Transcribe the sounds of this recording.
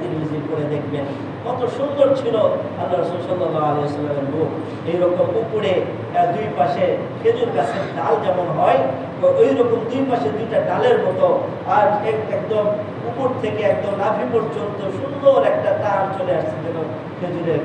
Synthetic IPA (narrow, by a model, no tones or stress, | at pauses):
t̪inimizibkoɾed̪ekʰben | kɔt̪oʃund̪oɾt͡ɕʰiloalːaɾɐsulsɔlːalːaalejosɔlːameɾbuk | ejɾɔkomupuɽe | d̪ujpaʃe | kʰed͡ʑuɾkat͡ɕʰet̪ald͡ʑɛmonɦɔe | ojɾɔkomd̪ujpaʃed̪ujʈaɖaleɾmɔt̪o | ad͡ʑɛɛkd̪om | upoɾt̪ʰekeɛk̚d̪omnabʱipoɾd͡ʑont̪oʃund̪oɾɛk̚ʈat̪alt͡ɕoleaʃt͡ɕʰed͡ʑɛkon | kʰed͡ʑuɾeɾ